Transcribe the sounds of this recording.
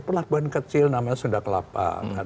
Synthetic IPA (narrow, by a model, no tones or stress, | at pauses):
pərlabuankət͡ʃɪlnamaɲasudahkəla̰pa̰ka